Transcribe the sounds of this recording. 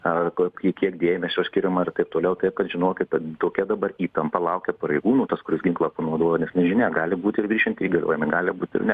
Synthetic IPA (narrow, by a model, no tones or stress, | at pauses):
ɐkkʲiɛkʲiɛkd̪ʲeːjmʲɛsʲoːsʲkʲɪɾʲɛmɐrt̪ɐɪp̚t̪oːlʲɛʊt̪ɐɪpkɐt̪ʒʲɪnoːkʲɪt̪ɐt̪oːkʲɛd̪ɐbɐriːt̪ɐmpɐlˠɐʊkʲɛpɐɾɐɪɡuːnuːt̪ɐskʊɾʲɪsɡʲɪŋklˠɑpɐnoːd̪oːjoːnʲɛsnʲɛʒʲɪnʲɛːɡɑːlʲɪbuːt̪ʲɪrɡɾʲiːʃʲɛnt̪ʲiɡɐlʲo̰ːjɛmʲɪɡɑːlʲɪbuːt̪ʲɪ̰rnʲɛ